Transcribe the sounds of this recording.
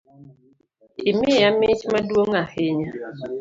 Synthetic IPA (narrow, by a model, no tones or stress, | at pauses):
ɪmɪamɪt͡ʃmadwoŋahɪɲa